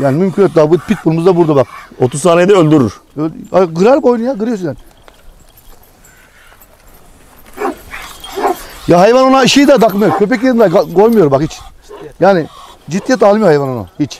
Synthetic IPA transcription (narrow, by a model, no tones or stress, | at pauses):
jaːnimymcʰʲynøt̪̚d̪abupik̚bulˠmuzd̪abuɾd̪abak̚ot̪ʰuzsaːnejd̪ɛølʲd̪yɾyɾ̥øaɡɯɾaɾko̞jnujaɡɯɾijosunjaːn | jaɦajvanonaiʃijd̪ad̪aklˠɯmijoɾmkʲʰø̞p̬ɛc̬jeɾind̪aɡaɡo̞jmɯjoɾumbakhit͡ʃ | jaːni | d͡ʒit̪ʰːijɛt̪ʰalˠmijohajvanona̰hit͡ʃ